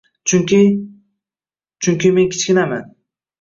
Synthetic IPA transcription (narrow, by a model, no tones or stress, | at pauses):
t͡ʃʰʊŋkʲi | t͡ʃʰʊŋkʲime̞ŋkʲʰɪ̥t͡ʃkʲɪnama̰n